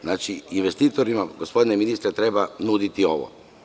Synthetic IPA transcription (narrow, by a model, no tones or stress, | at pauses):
znaːt͡ʃiinʋe̞st̪iːt̪o̞ɾimaɡospo̞d̪ineminist̪ɾat̪ɾe̞banud̪it̪io̞ʋo̰